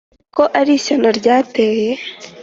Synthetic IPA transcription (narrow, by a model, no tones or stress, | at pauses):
koʔaɾiːɕanaɾɟaːteːje